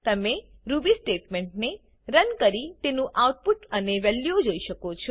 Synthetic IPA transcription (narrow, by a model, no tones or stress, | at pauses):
t̪əmeɾubisʈeʈmẽɳʈne | ɾənkəɾit̪enũʔauʈ̚puʈəneʋɛljud͡ʒoiʃəkot͡ʃʰɔ